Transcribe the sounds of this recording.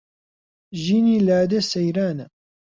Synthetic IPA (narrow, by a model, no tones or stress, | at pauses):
ʒiːniːlaːd̪esɐjɾaːnɐ